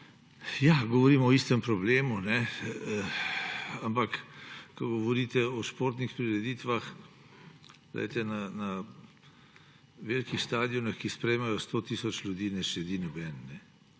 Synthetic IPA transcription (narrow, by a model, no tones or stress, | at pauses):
jaɡɔʋɔɾiːmɔist̪ɛmpɾɔbleːmunɛ | ampakkɔɡɔʋɔɾiːt̪ɛɔʃpoːɾt̪nixpɾiɾɛd̪it̪ʋax | ɡlɛ̰jt̪ɛnana | ʋeːlkixst̪aːd̪ijɔnaxkispɾɛjmajɔst̪oːt̪isɔt͡ʃlʲjud̪iːnɛʃɛd̪inɔbɛnːɛ